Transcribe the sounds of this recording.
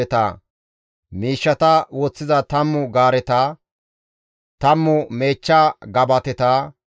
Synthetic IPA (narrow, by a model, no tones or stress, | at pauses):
ɛt̪a̰ː | miːʃːɐt̪ɐwɔt͡sːɪzɐt̪ɐmːʊɡaːɾɛt̪aː | t̪ɐmːʊme̞ːt͡ʃːaːɡɐbɐt̪ɛt̪aː